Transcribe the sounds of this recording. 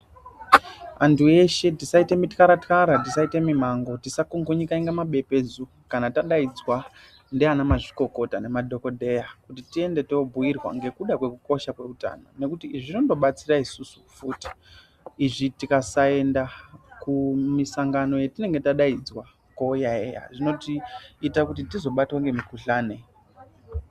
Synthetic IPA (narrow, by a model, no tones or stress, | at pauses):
antʰue̞ʃe̞tisaite̞mitkaɾatkaɾatisaite̞mimaŋɡo̞tisakoŋɡoɲikaiŋɡamaɓe̞pe̞d͡zu | kanataɗaid͡zwa | ndeanamaʐiko̞ko̞tane̞madʱo̞ko̞dʱe̞jakutitie̞nde̞to̞bʱuirwa̰ŋɡe̞kuɗakwe̞kuko̞ʃakwe̞uta̰no̞̰ne̞kutiiʐino̞ndo̞ɓat͡siraisusu̥futi̥ | iʐitikasae̞ndakumisaŋɡano̞jetine̞ŋɡe̞taɗaid͡zwa | kojaḛja̰ʐino̞tiːtakutitizo̞ɓatwaŋɡe̞mikuɬaːne̞